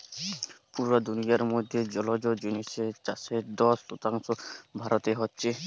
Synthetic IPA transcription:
puɾad̪unijaɾmod̪ʱːed͡ʑɔlod͡ʑod͡ʑiniset͡ɕaseɾd̪ɔslot̪aŋʃobʱaɾot̪eɦɔtːɕʰe

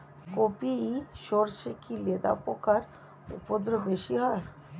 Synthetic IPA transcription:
kopiiʃoɾʃekiled̪a̰pokaɾ | ṵpod̪ɾobeʃiɦɔe

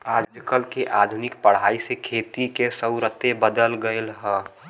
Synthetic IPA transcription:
aːd͡ʒd͡ʒkəlkeʔaːd̪ʱunɪkpəɽ̤aːisekʰeːt̪ikesəʊɾət̪ebəd̪əlɡəelɦə̃

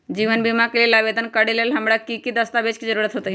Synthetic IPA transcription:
d͡ʒiːʋənbimakelielaːʋed̪ənkəɽelelɦɐmɽakikid̪əst̪abeːt͡ʃkid͡ʒəɾuɾət̪ɦot̪əi

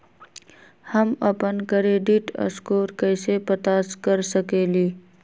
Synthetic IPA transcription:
hɐmɐpənkəɾeːɖiʈɐ̰skoːɾkəɪsepət̪aːskəɾsəkeːliː

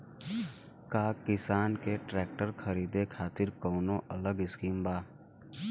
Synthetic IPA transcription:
kaːkɪsaːnkeʈɾɛːk̚ʈəɾkʰəɾiːd̪ekʰaːt̪ɪɾkɔːnõʔələɡɪskiːmbaː

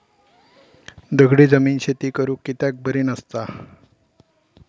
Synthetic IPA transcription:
d̪əɡʱɽiːd͡zəmiːnɕet̪iːkəɾũːkːit̪jak̚bʱəɾiːnəst̪a

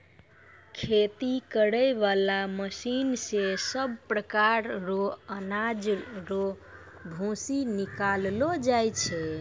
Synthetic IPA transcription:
kʰet̪ikəɽəjβalaməsinsesəb̚pɾəkaɾɾoənad͡ʒɾo | bʱõsinikallod͡ʒajt͡ʃʰɛ

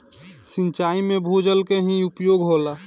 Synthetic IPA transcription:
sɪ̃nt͡ʃaːimẽbʱod͡ʒəlkeɦiʊpjoːɡɦoːla

